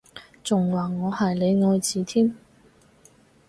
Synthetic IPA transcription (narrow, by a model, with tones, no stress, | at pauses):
t͡sʊ˨ŋwaː˨ŋɔː˨˧hɐ˨jle˨˧jŋɔː˨˧jt͡siː˨t̪ʰiː˥m